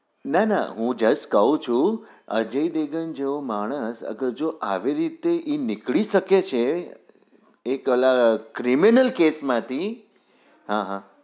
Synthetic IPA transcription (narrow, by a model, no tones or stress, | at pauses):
nana̰ɦũd͡ʒəskəũt͡ʃʰũ | ə̰d͡ʒəid̪eɡənd͡ʒeʋomaɽ̃əsə̰ɡəɾd͡ʒoʔaʋiɾit̪eʔinikɭiʃəket͡ʃʰe | klakɾiminəlkesmãt̪ʰi | ɦãɦã